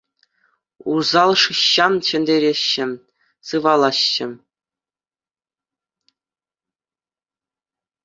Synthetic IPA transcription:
uzɑlˠʂɯɕːɑmt͡ɕɘ̆nʲd̪ʲeɾʲeɕːɘ̆ | sɯʋɑlˠɑɕːɘ̆

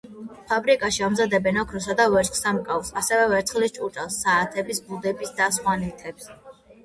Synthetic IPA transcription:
pʰabɾikʼaʃiamzad̪ɛbɛnɔkʰɾɔs̬ad̪avɛɾt͡ʃʼsamkʼavsasɛvɛvɛɾt̪ʰχlist͡ʃʼut͡ʃʼalˠsːaːt̪ʰɛbisbud̪ɛbisd̪asχwanit̪ʰɛps

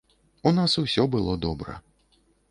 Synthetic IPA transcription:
unasusʲɔbɨlˠɔd̪ɔbɾɐ̰

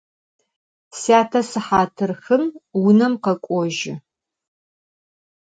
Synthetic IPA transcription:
saːtʰɐsɨħaːtʰɨrxɨmwʊnɐmqɐkʷʼɔʒɪ

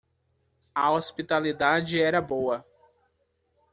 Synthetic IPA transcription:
ɐospit̪alid̪ad͡ʒɪɛɾɐbowɐ

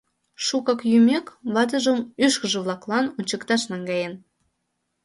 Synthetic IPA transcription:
ʃukɑkjymʲekβɑt̪̬əʒə̆myʃkə̆ʒə̆βlˠɑklˠɑnunʲt͡ɕəkt̪ɑʃnɑŋɡɑjen

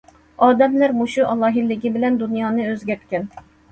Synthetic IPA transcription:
ɑːd̪ɛmlæɾmoʃuʔɑlˠɑːɦilːɪɡʲibɪlɛnd̪unjɑːnɨøzɡʲɛɾt̪̚kʲɛn

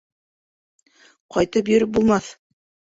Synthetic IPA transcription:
qɑjt̪ɤp̬jɵ̆ɾɘp̚bulˠmɑθ

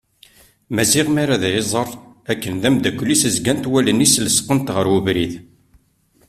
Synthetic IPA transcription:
mæziʁmaɾaðæjezˤərˤ | ækːənðæmd̪ækʷːlːisəzɡænt̪wælənisləsqənt̪ʁəɾwuvɾið

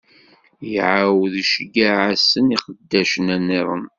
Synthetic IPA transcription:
jʕawəðʃəɡaʕasəniqəd̪ːæʃənænːeɾˤən

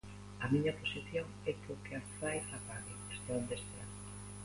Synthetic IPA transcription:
ɐmiɲɐposiθjoŋ | ɛkokeafajsapaɣiest̪eond̪est̪ea̰

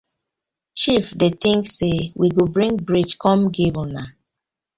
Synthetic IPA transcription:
t͡ʃifdetĩŋksewʔiɡobɹĩŋɡbɹid͡ʒkɔ̃mɡebona

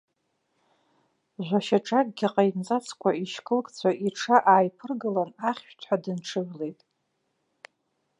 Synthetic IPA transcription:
ʒʷaʃaʈ͡ʂʼakʼɡʲiqʼajmzat͡sʰkʷʰaiʃkʼɨlkʼt͡sʷʰaʔiʈ͡ʂʰaʔaːjpʰɨrɡɨlanaχʲʃᶣtʰħadɨnʈ͡ʂʰɨʕʷle̞jtʼ

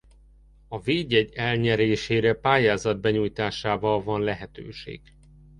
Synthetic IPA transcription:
ɒveːɟɛɟɛlɲɛɾeːʃeːɾɛpaːjaːzɒd̪̚bɛɲujt̪aːʃaːvɒlvɒnlɛɦɛt̪ø̰ːʃḛːɡ̥

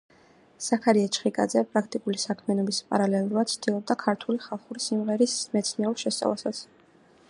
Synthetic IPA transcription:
sakʰaɾiɛt͡ʃχikʼa̰d̪zɛpʼɾakʰt̪ʼikʼulisakʰmianɔbispʼa̰ɾalɛlˠuɾad̪̥t̪sʰt̪ʰilˠɔb̚d̪akʰaɾt̪ʰuliχalˠχuɾisimʁɛɾismɛt̪sʰniɛuɾʃɛst̪sʼa̰vlasat̪sʰ

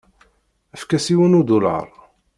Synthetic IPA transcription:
əfkæsiwənud̪ulɑ̰ɾˤ

